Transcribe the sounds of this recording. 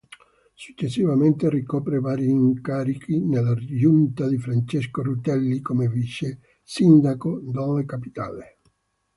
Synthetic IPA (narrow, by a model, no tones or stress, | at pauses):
su̥t͡ʃːesːivament̪erikɔːpɾevaːɾiːŋkaɾikʰinelːad͡ʒunt̪ad̪ifɾant͡ʃeskorut̪ɛlːikomeviʃːe | sind̪akod̪ɔlekapi̥t̪a̰ːle